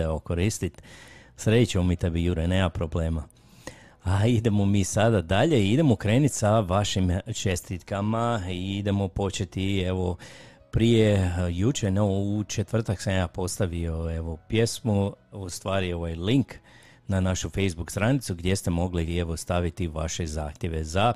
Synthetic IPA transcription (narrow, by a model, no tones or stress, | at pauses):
aokoɾist̪it̪sɾed̪it͡ʃemomit̪abijuɾenemapɾo̞ble̞ːma | aid̪e̞mo̞miːsad̪ad̪aʎe̞iid̪e̞mokɾe̞ːnit̪saʋaʃimt͡ʃe̞st̪it̪kamaiid̪e̞mo̞po̞t͡ʃet̪ie̞ʋo̞ | pɾije̞jut͡ʃeneʋout͡ʃet̪ʋr̩t̪aksamjaːpo̞st̪aʋio̞e̞ʋo̞pje̞smuust̪ʋaːɾio̞ʋajliŋk | nanaʃufe̞jzbukst̪ɾanit̪suɡd̪je̞st̪e̞mo̞ɡlieʋo̞st̪aʋit̪iʋa̰ʃe̞za̰ːxt̪ʲje̞ʋe̞za